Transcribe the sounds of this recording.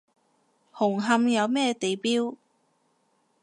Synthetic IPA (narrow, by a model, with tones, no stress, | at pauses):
hʊ˨˩ŋɦɐ˧mjɐ˨˧wmɛː˥t̪e˨jpiː˥w